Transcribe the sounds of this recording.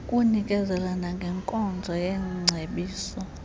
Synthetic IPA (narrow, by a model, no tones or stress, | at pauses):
kʼunikʼɛzɛlanaŋɡʱɛŋkʼɔnd͡zʱɔjɛŋ͡ǀʱeɓiːsɔ